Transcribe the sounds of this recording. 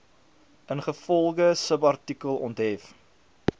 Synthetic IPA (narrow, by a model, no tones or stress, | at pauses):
ənχəfɔlˠχəsəpɐrtikəlˠɔntɦɛf